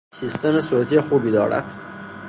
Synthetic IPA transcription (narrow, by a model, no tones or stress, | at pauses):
siːst̪emesoːt̪ʰijexuːbiːd̪ɒ̰ːɾæ̰d̪̥